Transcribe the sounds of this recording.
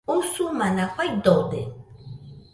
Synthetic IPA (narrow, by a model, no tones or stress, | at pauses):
usʊmanaxajd̪od̪ḛ